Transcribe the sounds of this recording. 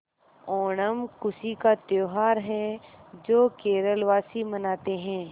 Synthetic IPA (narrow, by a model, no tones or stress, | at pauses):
ɔːɳəmkʊsikat̪joːɦaːɾɦɛd͡ʒoːkeːɾəlʋaːsimɐnaːt̪eɦɛ̃ː